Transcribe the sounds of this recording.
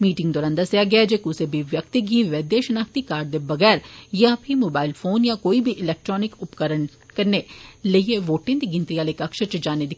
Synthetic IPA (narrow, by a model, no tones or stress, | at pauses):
miːʈɪ̃ŋɡd̪ɔːɾaːnd̪ɐsjaɡɪad͡ʒeːkuːsebʱiʋjək̚t̪ɪɡiːʋəd̪eːʃnaːk̚t̪ikaːɾɖd̪ebɐɡɛːɾjãːpʰimoːbaːɪlpʰoːnjãːkoːibʱiʔɪlɛːk̚ʈɾɔːnɪkʊpkəɾəɳ | kəɾneləieʋoːʈẽd̪iɡɪ̃nt̪ɾijaːlekɐkʃət͡ʃd͡ʒaːned̪ɪ